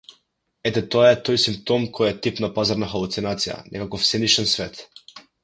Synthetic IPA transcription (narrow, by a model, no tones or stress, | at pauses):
ɛt̪ɛt̪ɔaɛt̪ɔjsimp̚t̪ɔmkʰɔjɛt̪ipnapazaɾnaxalˠut̪sinat̪sija̰nɛ̰kakɔfsɛniʃɛnsvɛt̪